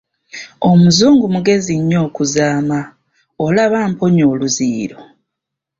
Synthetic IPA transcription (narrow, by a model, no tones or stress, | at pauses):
o̞muzuːŋɡumuɡe̞ziɲːo̞ːkuzaːma | olaβaːmpo̞ɲo̞ːluziːɾo̞